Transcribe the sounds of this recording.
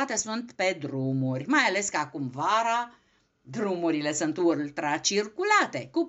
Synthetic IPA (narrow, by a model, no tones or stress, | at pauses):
at̪e̞sunt̪pe̞d̪ɾumurʲmajale̞skəakumvaɾa | d̪ɾumuɾile̞sunt̪ult̪ɾat͡ʃirkulat̪e̞ku